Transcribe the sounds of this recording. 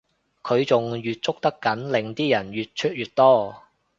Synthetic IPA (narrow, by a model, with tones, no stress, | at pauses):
kʰɵ˨˧ɥt͡sʊ˨ŋjyː˨t̚t͡sʊ˥k̚t̪ɐ˥kːɐ˨˥nlɪ˨ŋt̪iː˥jɐ˨˩njyː˨t̚t͡ʃʰɵ˥t̚jyː˨t̚t̪ɔː˥˩